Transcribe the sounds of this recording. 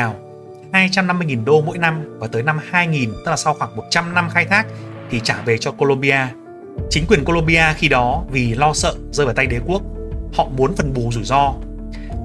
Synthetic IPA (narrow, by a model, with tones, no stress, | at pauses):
a˨˩w | haː˧jt͡ɕa˧mna˧mɨ˧əjŋi˨˩nɗo˧mo̰˧˥jna˧mvaː˨˩t̪əː˨˦jna˧mhaː˧jŋi˨˩nt̪ə˦˥la˨˩sa˧wxwaː˧˩ŋmo˨˩t̚t͡ɕa˧mna˧mxaː˧jt̪ʰaː˦˥k̚t̪ʰi˨˩t͡ɕaː˧˩ve˨˩t͡ɕɔ˧ko˧lo˧mɓi˧ʔaː˧ | t͡ɕï˨˦ŋ̟kwi˨˩ənko˧lo˧mɓi˧ʔaː˧xi˧ɗɔ˨˦vi˨˩lɔ˧sə̰ː˧˨zəː˧jəː˨˩t̪a˧jɗe˨˦ku˦˥ək̚hɔ̰˧˨mu˨˦ənfə˨˩nɓu˨˩zu˧˩jzɔ˧